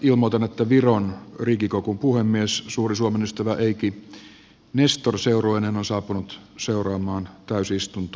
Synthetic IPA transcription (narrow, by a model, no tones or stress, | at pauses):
ilmot̪ɑnet̪ːæʋironrikikokumpuhemːiessuːrisuomenyst̪æʋæʔeiki | nest̪orseuroenenonsɑːpunut̪seurɑːmˑɑːnt̪æysiist̪unt̪ː